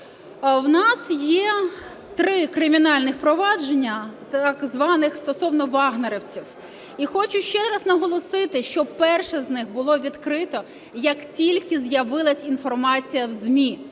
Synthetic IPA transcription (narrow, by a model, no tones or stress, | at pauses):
wnɑsjɛ | t̪ɾɪkɾɪmʲinɑlʲnɪxpɾɔʋɑd͡ʒenʲːɐ | ɑɡzʋɑnɪxst̪ɔsɔwnɔʋɑɦneɾɪwt͡sʲiw | ixɔt͡ʃʊʃt͡ʃɛɾɐznɐɦɔlˠɔsɪt̪ɪʃt͡ʃɔpɛrʃɛznɪxbʊlˠɔʋʲid̪kɾɪt̪ɔ | jɐktʲilʲkɪzjɐʋɪlˠɐsʲinfɔrmɑt͡sʲijɐwzmʲi